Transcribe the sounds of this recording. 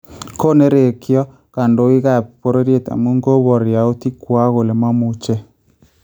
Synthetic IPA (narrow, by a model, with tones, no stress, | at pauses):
ko˦ne˦ɾe˨kjɔ˦ | ka˨ndo˨i˦ɣa˦˨ppo˦ɾe˦ɾje˦ta̰˨mu˦ŋɡo˦βɔ˨ɾja˨o˦ti˦kwa˦ɣo˨le˨ma˦mu˦t͡ʃɛ˦